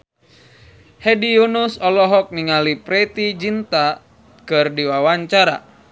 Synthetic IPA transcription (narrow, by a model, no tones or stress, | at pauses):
hɛdijunusɔlɔɦɔk̚niŋalipɾɛt̪id͡ʒint̪a | kɨrdiwawaɲt͡ʃaɾa̰